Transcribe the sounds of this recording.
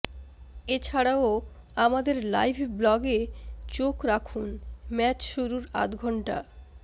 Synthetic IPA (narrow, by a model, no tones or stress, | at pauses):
et͡ɕʰaɽao | amad̪eɾla̰jbʰʱblɔɡet͡ɕokɾakʰunmɛt͡ɕʃuɾuɾa̰t̪ɡʱɔɳʈa̰